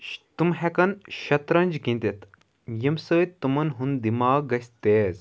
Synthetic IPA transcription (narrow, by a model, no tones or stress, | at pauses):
ʃt̪umɦɛkɐnʃɐt̪ɾɐnʲd͡ʒɡĩnt̪it̪ | jimsəːt̪ːumɐnɦund̪imaːɡɐsʲt̪eːz